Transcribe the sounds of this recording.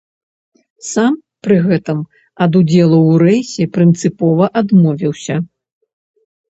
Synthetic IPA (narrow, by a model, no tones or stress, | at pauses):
sam | pɾɨɣɛt̪ɨm | ɐd̪ud͡zʲɛlˠɐwɾɛjsʲɛpɾɨnt̪sɨpɔvɐʔad̪mɔvʲiwsʲɐ